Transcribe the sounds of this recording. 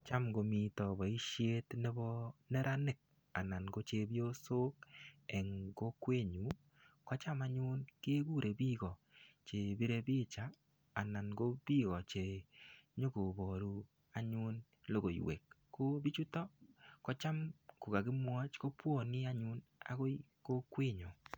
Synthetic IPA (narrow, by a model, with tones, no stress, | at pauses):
t͡ʃa˦mɡo˨mi˨tɔ˨bɔ˨i˦ʃje˦tne˦bɔ˦nɛ˦ɾʔa˦nɪ˦˨k̚ | a˨na˨nɡo˦t͡ʃe˨bjo˦so˦k̚ɛ˨ŋɡo˦kwe˦˨ɲu˨˦ | kɔ˦t͡ʃa˦ma˦ɲʊ˦nke˦ɡu˦ɾe˨bi˦ɡɔ˨t͡ʃe˨bi˦ɾe˦bi˦t͡ʃaː˨ | na˨nɡo˦b̥i˦ɣɔ˨t͡ʃe˨ɲo˦ɡo˨bo˨ɾu˦ | a˨ɲuʊ˦n | lo˦ɡo˨j̰wḛ˨kːo˦bi˦t͡ʃu˦tɔ˦kɔ˦t͡ʃa˦mko˨ka˨ɡɪ˦mwɔ˦t͡ʃko˦pwo˦˨nɪ˦a˦ɲʊ˦na̰˨ɡo˦i˦ko˦kwe˦ɲo˨